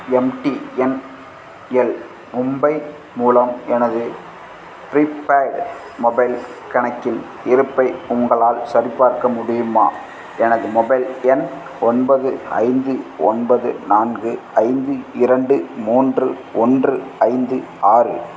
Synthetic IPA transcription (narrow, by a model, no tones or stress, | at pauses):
ɛmʈiɛn | ɛl | mʊmbɐɪ | muːlɐmɛnɐðɯ | pɾipːaːk | mɔbɐɪlkɐɳɐkːɪn | ɪɾɯpːɐɪʊŋɡɐɭaːlsɐɾɪpːaːɾkɐmʊɽɪjɯmaː | ɛnɐðɯmɔbɐɪlɛn | ɔnbɐðɯɐ̰ɪnd̪ɯɔ̰nbɐðɯ̰naːnɡɯɐɪnd̪ɯɪɾɐɳɖɯmuːndrɯ | ɔndrɯɐɪnd̪ɯaːrɯ̰